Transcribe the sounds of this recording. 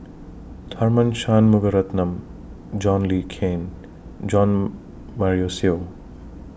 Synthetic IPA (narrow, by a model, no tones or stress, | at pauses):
d̪ʰʱɐɾmɐnʃaːnmuɡɐɾɐt̪nɐm | d͡ʒaːnliːkʰeːn | d͡ʒɔːn | maɾijoːsijoː